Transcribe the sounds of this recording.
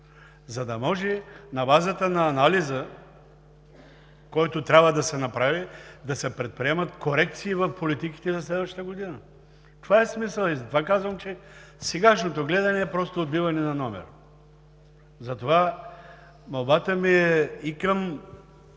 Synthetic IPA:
zɐd̪ɐmɔʒɛnɐbazət̪ənɐːnalizə | kɔjt̪ot̪ɾʲabvəd̪ɐsɛnɐpɾavid̪ɐsɛpɾɛt̪̚pɾiɛmɐt̪koɾɛk̚t̪siːvɐfpolit̪iki̥t̪ɛzɐslɛd̪vɐʃt̪t̪əɡod̪inə | t̪ovaɛsmisəlˠizɐt̪vakazvɐmt͡ʃɛ | sɛɡaʃnot̪oɡlɛd̪ɐnɛːpɾɔst̪oːd̪bivɐnɛnɐnɔmɛ̰ɾ | zɐt̪ova | mɐlˠbat̪əmiɛikəm

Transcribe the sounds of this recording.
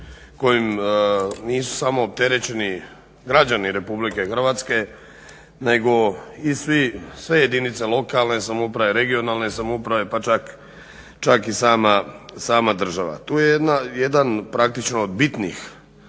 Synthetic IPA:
ko̞jim | niːsu̥samo̞ːp̚t̪e̞ɾet͡ɕe̞ni | ɡɾad͡ʑaniɾe̞publike̞xr̩ʋat̪ske̞ | ne̞ɡo̞isʋisʋe̞je̞d̪init̪selˠo̞kalne̞samoupɾaʋeɾe̞ɡio̞naːlˠne̞samoupɾaʋe̞pat͡ʃak | t͡ʃakisaːmasaːmad̪r̩ʒaʋa̰t̪uːjejed̪najed̪anpɾak̚t̪it͡ʃnood̪bit̪nḭx

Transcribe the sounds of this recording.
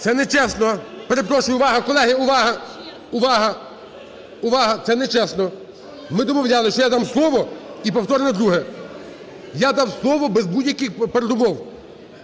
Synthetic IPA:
t̪ɛnɛt͡ʃɛsnɔpeɾepɾɔʃʊjʊʊʋɑɦɐkɔlˠɛɦɪʊʋɑɦɐ | ʊʋɑɦɐ | ʊʋɑɦɐt̪sɛnɛt͡ʃɛsnɔ | mɪd̪ɔmɔwlʲalˠɪʃt͡ʃɔjad̪amslˠɔʋɔipɔwt̪ɔɾenɔd̪ɾuɦɛ | jad̪ɑwslˠɔʋɔbezbudʲjɐkɪxpeɾed̪ʊmɔw

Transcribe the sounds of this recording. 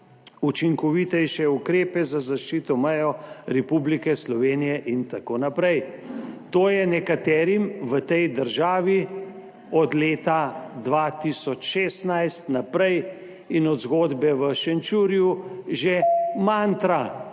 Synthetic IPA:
ut͡ʃiŋkɔʋit̪ɛjʃɛukɾeːpɛzazaʃt͡ʃiːt̪ɔmɛjɔɾɛpublikɛslɔʋeːnijɛʔint̪akoːnapɾɛjt̪oːjɛnɛkat̪ɛːɾimʋət̪ɛjd̪əɾʒaːʋi | ɔd̪leːt̪ad̪ʋat̪isɔt͡ʃʃeːst̪najst̪napɾɛj | inɔd̪zɡoːd̪bɛʋəʃɛnt͡ʃuɾijuʒemant̪ɾa

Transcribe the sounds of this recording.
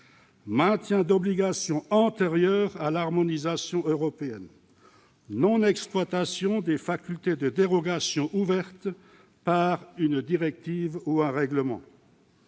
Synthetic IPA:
mɛ̃t̪jɛ̃d̪ɔbliɡasjɔ̃ɑ̃t̪eʁjœːʁalaʁmɔnizasjɔ̃øʁɔpeɛn | nɔ̃nɛksplwat̪asjɔ̃d̪efakʲylt̪ed̪əd̪eʁɔɡasjɔ̃ʔuvɛʁt̪ | paʁynd̪iʁɛk̚t̪ivuɛ̃ʁɛɡləmɑ̰̃

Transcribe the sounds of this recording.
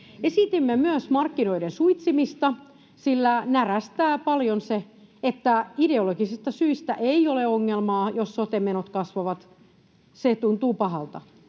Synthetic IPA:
esit̪imːemyøsmɑrkːinoidensuit̪simist̪ɑ | silːænæræst̪æːpɑljonse | et̪ːæideoloɡisist̪ɑsyist̪æ̰ʔeioleoŋːelmɑːjosːot̪emenot̪kɑsʋɑʋɑt̪ | set̪unt̪uːpɑɦɑlt̪ɑ

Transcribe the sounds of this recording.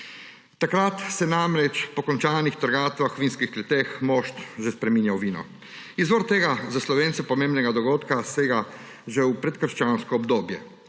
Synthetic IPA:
t̪akɾat̪sɛnamɾɛt͡ʃpɔkɔnt͡ʃaːnixt̪əɾɡaːt̪ʋaxwʋiːnskixklɛt̪eːxmoːʃt̪ʒɛspɾɛmiːnjawʋiːnɔ̰ | izʋoɾt̪eɡazaslɔʋeːnsɛpɔmeːmbnɛɡad̪ɔɡoːt̪kasɛɡa | ʒɛwpɾɛt̪kəɾʃt͡ʃanskɔːbd̪oːbjɛ̰

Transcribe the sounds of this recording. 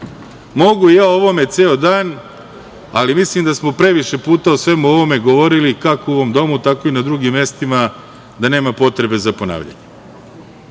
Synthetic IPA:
mo̞ɡuijaːo̞ʋo̞me̞t̪seːod̪aːn | a̰limislimd̪asmopɾe̞ʋiʃe̞puːt̪aosʋe̞muo̞ʋo̞me̞ɡoʋo̞ɾilikakooʋo̞md̪o̞mut̪ako̞inad̪ɾuɡimːe̞st̪ima | d̪ane̞ːmapo̞t̪ɾe̞be̞zapo̞na̰ːʋʎa̰ɲe

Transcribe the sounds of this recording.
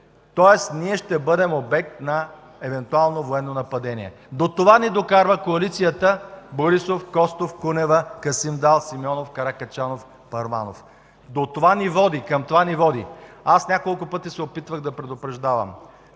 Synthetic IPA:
t̪ɔɛsniɛʃt̪ɛbɤd̪ɛmobɛk̚t̪nɐ | ɛvɛnt̪ualˠnovoɛnːonɐpɐd̪ɛnḭɛ̰ | d̪ot̪ovanid̪okaɾvəkoɐlit̪sijət̪əboɾisofkɔst̪ofkunɛvəkɐsimd̪alˠsimiɔnofkɐɾakɐt͡ʃanof | pɐɾma̰no̰f | d̪ot̪ovanivɔd̪ikɐmt̪ovanivɔd̪ḭasnʲakolˠkʊpɤt̪isɛopit̪vəɣd̪ɐpɾɛd̪ʊpɾɐʒd̪avɐ̰m

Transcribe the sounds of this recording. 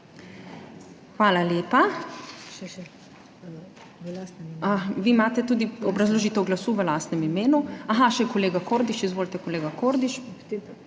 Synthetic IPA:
xʋaːlaljeːpa | aʋiːmaːt̪ɛt̪uːd̪iɔbɾazloʒit̪ɛwɡlasuːʋəlast̪nɛmimeːnuaɦaʃɛkoleːɡakoɾd̪iʃizʋoːlit̪ɛkoleːɡakoːɾd̪iʃ

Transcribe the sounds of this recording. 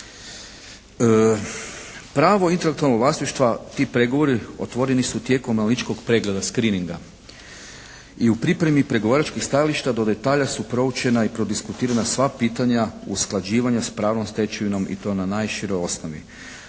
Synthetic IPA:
pɾaːʋo̞int̪e̞lekt̪ualnoɡʋlasiʃt̪ʋat̪iːpɾe̞ɡoʋo̞ɾio̞̰t̪ʋo̞ɾe̞nisut̪je̞ko̞mːalnit͡ʃko̞ɡpɾe̞ɡle̞d̪askɾiːniŋɡa | iupɾipɾe̞mipɾe̞ɡo̞ʋaːɾat͡ʃkixst̪ajaliʃt̪ad̪o̞d̪e̞t̪aːʎasupɾo̞ut͡ʃe̞naipɾo̞d̪iskut̪iːɾanasʋapiːt̪aɲaṵsklad͡ʑiːʋaɲaspɾaːʋnomst̪e̞t͡ʃeʋino̞mḭt̪o̞ːnanaːjʃiɾojo̞snoʋḭ

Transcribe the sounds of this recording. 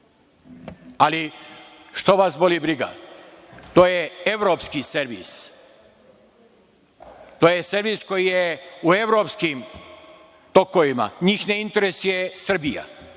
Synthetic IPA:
ali | ʃt̪oʋasbolibɾiɡa̰ | t̪oːjee̞ʋɾo̞pskiseɾʋḭs | t̪oːjeseɾʋisko̞jijeue̞ʋɾopskim | t̪o̞koʋima̰ɲiːxneint̪eɾesjesr̩bija̰

